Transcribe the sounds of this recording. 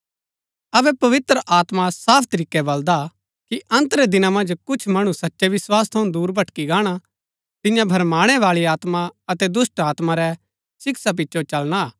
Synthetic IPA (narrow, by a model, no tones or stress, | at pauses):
ɐbɛpɐʋɪt̪ɾəʔaːt̪masaːpʰt̪ɐɾiːkːɛbɐld̪a | kiʔɐ̃nt̪ɾɛd̪ɪnamɐ̃nd͡ʒkʊt͡ʃʰmɐɽ̃ũsɐtːʃɛʋɪswaːst̪ʰɐũd̪uːɾbʱɐʈkiɡaːɽ̃a | t̪ɪ̃jãbʱɐɾmaːɽ̃ɛʋaːɭiaːt̪maɐt̪ɛd̪ʊsʈaːt̪maɾɛ | sɪksap̬ɪtːʃʰot͡ʃɐlɽ̃aː